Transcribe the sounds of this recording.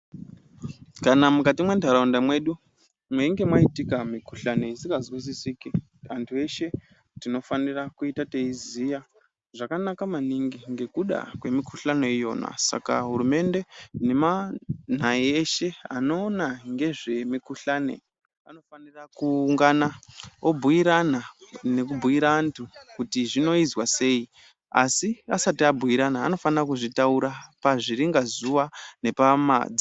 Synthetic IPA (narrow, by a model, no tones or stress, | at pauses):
kanamukatimwe̞ndʱaɾaundamwe̞ɗu | mweiŋɡe̞mwaitikamikuɬane̞isikazwis̬isiki | antʰue̞ʃe̞ | tino̞fanirakuitateizija | ʐakanakamaniŋɡiŋɡe̞kuɗa̰kwe̞mikʰuɬane̞ijo̞̰ːna̰sa̰ka̰ɦurume̞nde̞ne̞man̤aieʃe̞ano̞ːnaŋɡe̞ʐe̞mikuɬaːnḛ | ano̞fanirakuŋɡanaobʱujiɾanane̞k̬ubʱuiɾaːntʰukutiʐino̞izwase̞ːi | a̰siasatiabʱuiɾanaːno̞fanirakuʐitauɾapaʐiɾiŋɡazuʋane̞pama̰d͡zi